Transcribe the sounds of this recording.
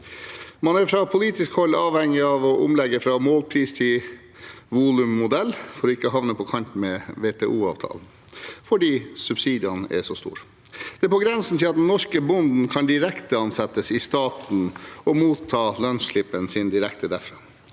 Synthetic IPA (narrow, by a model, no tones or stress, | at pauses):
mɑnæɾfɾɑpʰʊliːt̪ɪskhɔlːɑːʋhɛŋːɪɑʋɔʔʊ̰mlɛɡːəfɾɑmoːlpʰɾiːst̪ʰɪ | ʋuːlʉmːʊd̪ɛlːfɔɾɔɪkːəɦɑʋnəpʰɔkʰɑnt̪̩mɛʋet̪ʰɛːʔuːɑ̰ːʋt̪ʰɑ̰ːln̩ | fɔɖiːsʉbsiːd̪ɪɑnʔɛ̰ʂɔst̪ṵːɾ | d̪̥ɛæɾpɔɡɾɛnsn̩t̪ʰɪlɑt̪̚d̪ɛnːɔʂkəbʊnd̪n̩kʰɑnd̪ɪɾɛkt̪əɑnsɛt̪ːəsɪst̪ɑːt̪n̩ɔmuːt̪ʰːɑːlœnsɭɪpːənsɪnd̪ɪɾɛkt̪ʰəd̪æɾfɾɑː